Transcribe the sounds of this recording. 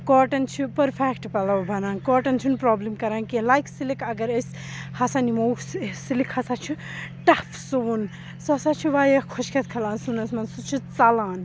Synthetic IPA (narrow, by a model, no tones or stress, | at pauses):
koːʈɐnt͡ʃʰupɐɾfʰekʈpɐlɐʋbʱɐnaːnkɔːʈɐnt͡ʃʰunpɾɔːblimkɐɾaːnkilajksilikɐɡɐɾɐsʲ | hɐsanimowssilikʰhɐsaːt͡ʃʰu | ʈɐfʰsoːun | soɐsaːt͡ʃʰuʋaːjekʰoʃkʰɐt̪̚kʰɐlãːnsunɐsmɐnsut͡ʃʰut͡salaːn